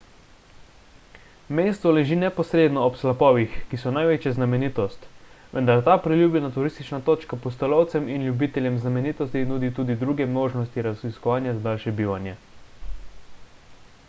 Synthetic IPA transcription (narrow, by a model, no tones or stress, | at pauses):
meːst̪ʋɔlɛʒiːnɛpɔsɾeːd̪nɔːpslapɔːʋixkisɔnajʋeːt͡ʃjɛznamɛniːt̪ɔst̪ʋɛ̰nd̪aɾt̪aːpɾilʲjuːbjɛnat̪uɾist̪it͡ʃnat̪oːt͡ʃkapɔst̪ɛlɔwt̪sɛminljubiːt̪ɛljɛmznamɛniːt̪ɔst̪inuːd̪it̪uːd̪id̪ɾuːɡɛmnoːʒnɔst̪iɾaziskɔʋaːnjazad̪aːlʃɛbiːʋanjɛ